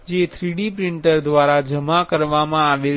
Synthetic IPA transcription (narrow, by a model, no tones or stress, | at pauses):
d͡ʒet̪ʰɾiɽipɾɪɳʈəɾd̪ʋaɾad͡ʒəmakəɾʋamãaʋe